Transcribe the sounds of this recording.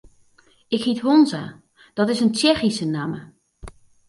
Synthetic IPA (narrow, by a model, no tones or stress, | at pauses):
ɪkhithonza̰ | d̥ɔtɪsənt͡ʃɛxisənamə